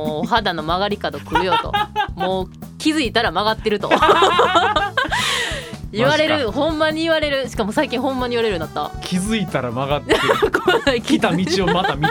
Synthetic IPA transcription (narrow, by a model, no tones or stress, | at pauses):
oːɦad̪ano̞maɡaɾʲikad̪o̞kɯ̟ɾɯjot̪o̞̰moːkʲizɨit̪aɾamaɡat̪ːeɾɯ̟t̪o | iβaɾe̞ɾɯ̟hõ̞mːaɲ̟iiβaɾe̞ɾɯ̟ɕi̥kamo̞saikʲĩɰ̃ɦõ̞mːaɲ̟iβaɾe̞ɾɯ̟nd̪at̪ːa̰kʲʰizɨit̪aɾa̰maɡat̪ːekonaikʲit̪amʲit͡ɕiomat̪amʲi